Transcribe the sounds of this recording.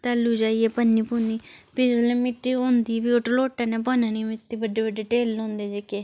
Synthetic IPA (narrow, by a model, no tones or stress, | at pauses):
t̪alːuːd͡ʒaːiɛːpənːiːpuːniːt̪ɪd͡ʒlẽːmɪʈːiːɦõːnd̪iːʋiːoʈloːʈːãːnɛ̃ːp̬ɔːnãːnimɪt̪ːiːbəɖːeːbəɖeːʈeːlõːnd̪eːd͡ʒeːkeː